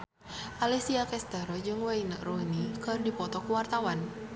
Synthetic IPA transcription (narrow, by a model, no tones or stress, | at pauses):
ʔalisiakɛst̪aɾɔd͡ʒɨŋwainəʔrunikɨrdipɔt̪ɔkuwart̪awan